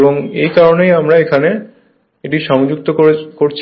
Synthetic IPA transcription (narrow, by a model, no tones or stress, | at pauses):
boŋḛjkaɾonejamɾaekʰane | eʈiʃɔŋd͡ʑuk̚t̪okoɾekoɾt͡ɕʰ